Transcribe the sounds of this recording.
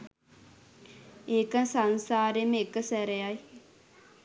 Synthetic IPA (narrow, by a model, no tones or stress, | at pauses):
eːkənsansaːɾemekəsæɾejaj